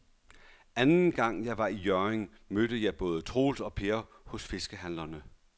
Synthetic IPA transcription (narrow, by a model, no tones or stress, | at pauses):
ænn̩ɡ̥ɑ̈ŋ̰jɑ̈ɪʋɑ̈ijøɐeŋ | mød̥əjɑ̈ɪb̥ɔ̽ːð̞ˠət͡sʰʁo̝̰ːlsɒ̽pʰe̝ɐ | hɔ̽sfe̝sɡ̥əɦænlɐnə